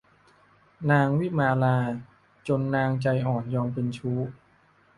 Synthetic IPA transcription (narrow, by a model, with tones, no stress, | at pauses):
naː˧ŋwi˥˩maː˧laː˧ | t͡ɕo˧nːaː˧ŋt͡ɕa˧jʔɔː˨˩njɔː˧ŋpe˧nt͡ɕʰuː˦˥